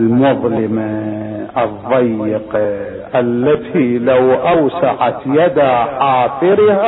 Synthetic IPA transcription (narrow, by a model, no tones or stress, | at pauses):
lmʊðˤlɪmaʔɨðˤːɑjːɪqɑ | ʔalːat̪ʰiːlawʔawsaʕat̪jad̪aʕaːθˤɪɾha